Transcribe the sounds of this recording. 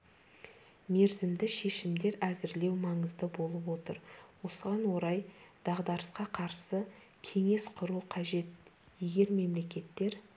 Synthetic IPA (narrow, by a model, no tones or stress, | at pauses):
me̞ɾzɪmd̪ɪʃe̞ʃɪmd̪e̞ɾæzɪɾle̞wmɑɴəzd̪əbo̞lˠəpwo̞t̪əɾwo̞səʁɑnwo̞ɾɑjd̪̥ɑʁd̪ɑɾəsqɑqʰɑɾsə | kʲʰe̞ŋe̞sqʰʊɾuqʰɑʒe̞t̪ | je̞ɡʲe̞ɾme̞mle̞kʲe̞t̪ːe̞ɾ